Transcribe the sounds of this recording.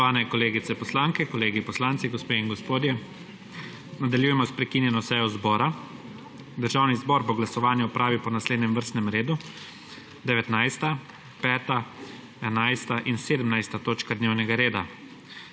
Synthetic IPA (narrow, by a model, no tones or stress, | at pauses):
ʋaːnɛkɔleːɡit̪sɛpɔslaːŋkɛkɔleːɡipɔslaːntsiɡɔspeːiŋɡɔspoːd̪jɛ | nad̪aljuːjɛmɔspɾɛkinjɛnɔsɛjɔzbɔːɾa | d̪əɾʒawnizbɔɾbɔɡlasɔʋaːnjaɔpɾʔaːʋipɔnasleːd̪nʲɛmʋəɾst̪nɛmɾeːd̪u | d̪ɛʋɛt̪najst̪a | pɛːt̪a | ɛnajst̪aʔinseːd̪əmnajst̪at̪oːt͡ʃkad̪neːwnɛɡaɾeːd̪a